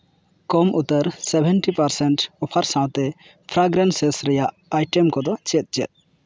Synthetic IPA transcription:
kɔmʔut̪əɾsɛbʱɛnʈipaɾsɛɳʈɔpʰaɾsãw̃t̪ɛ | pʰɾaɡɾansɛsɾɛjaʔ | ajʈɛmkɔd̪ɔt͡ʃɛt̪̚ˀd͡ʒɛ̰t̪̚

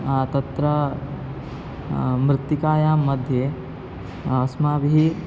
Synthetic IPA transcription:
at̪ɐt̪ɾɐ | mɾɪt̪ːikaːjaːmːɐd̪ʱje | ɐsmaːbiɦi

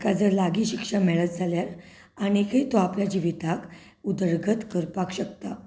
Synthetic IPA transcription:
kad͡zəɾlaɡiːɕikʂəmɛɭət̪̚d͡zʱaljaɾ | añiekʰet̪oapljad͡ʑiʋit̪ak | ud̪əɾɡʱət̪kəɾpakɕək̚t̪a

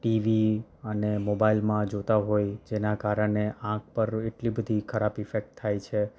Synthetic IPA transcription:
ʈiʋiənemobailmãd͡ʒot̪aɦojd͡ʒenakaɾəɳeʔãk̚pəɾeʈlibəd̪ʱikʰəɾapifek̚ʈt̪ʰːajt͡ʃʰe

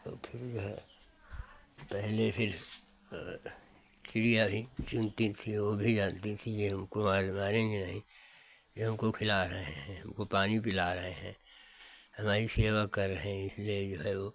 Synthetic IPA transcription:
t̪o̰ːpʰɪɾd͡ʒoɦɛ | pɛɦlepʰɪɾ | t͡ʃɪɽijabʱit͡ʃʊnt̪it̪ʰiʋobʱid͡ʒãːnt̪it̪ʰijeɦɐmkomaːɾmaːɾẽɡenɐɦĩ | jeɦɐmkokʰɪlaɾɐɦeɦɛ̃ɦɐmkopaːnipɪlaɾɐɦeɦɛ̃ | hɐmaːɾiseːʋakɐɾːəɦẽɪslied͡ʒoːɦɛʋoː

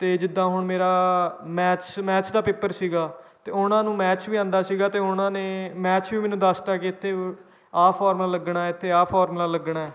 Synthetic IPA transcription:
t̪eːd͡ʒɪd̪ːãːɦʊɳmeːɾaːmɛːt͡ʃmɛːt͡ʃd̪aːpɪpːəɾsiːɡaːt̪eːʊnãːnũːmɛːt͡ʃʋiːãːnd̪aːsiːɡaːt̪eːʊnãːneːmɛːt͡ʃʋiːmɛːnũːd̪aːsʈ̪aːkeɪt̪ʰːeː | aːpʰaːɾmlaːləɡɳaːɛɪt̪ʰːeːaːpʰɔːɾmlaːləɡɳaːɛː

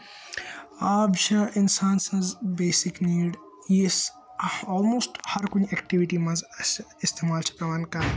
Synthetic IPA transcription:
aːbd͡ʒɐʔɪnsaːnsɐzbeːsɪkniːɖ | jis | ɔːlmoːsʈhɐɾkʊniɛkʈɪʋɪʈimɐ̃zɪst̪eːmaːlt͡ʃʰɐ̥kɐʋɐnkɐɾ

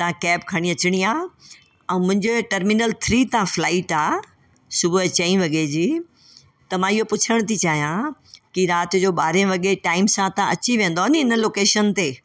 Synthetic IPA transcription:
t̪ɐãkɛːpkʰɐɽ̃iɐt͡ɕɪɽ̃iaː | ɛ̃ːmʊ̃ɪ̃ɲd͡ʑeʈɐɾmɪnəlt̪ʰɾiːt̪ãflaːɪʈaː | sʊbʱʊt͡ɕɐĩʋɐɠed͡ʑiː | t̪ɐmãɪɦopʊt͡ɕʰəɽ̃t̪ʰit͡ɕaːɦijãkiɾaːt̪ʊd͡ʑoːɓaːɾẽʋɐɠeʈaːɪmsãt̪ɐãɐt͡ɕiʋẽːnd̪oɐniɪnəloːkeːʃənt̪eː

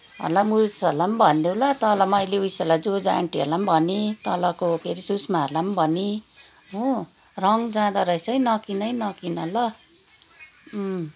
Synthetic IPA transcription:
ɦʌ̰lamuɾt͡sʰʌlːambʱʌnd̪ewlat̪ʌlʌmʌjleujsʌlad͡zod͡za̰ɳʈiʌ̰lambʱʌnit̪ʌlʌkokeɾisusmaɦʌlambʱʌni | ɦo | rʌŋd͡zãd̪aɾʌjsʌjnʌkinʌjnʌkinʌlʌ

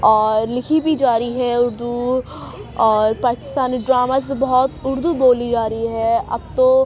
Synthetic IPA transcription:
ɔːɾlɪkʰibid͡ʒaːɾiɦɛʊɾd̪u | ɔːɾpaːkɪ̥st̪aːniɖɾaːmaːsbɔɦɔt̪ʊɾd̪uboːlid͡ʒaːɾəiɦɛːɐ̰b̚t̪õː

